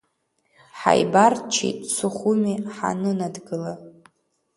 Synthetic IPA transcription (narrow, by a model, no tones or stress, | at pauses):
ħa̰jbart͡ʃʰḭtʼt͡sʰuχumiħa̰nɨnadɡɨla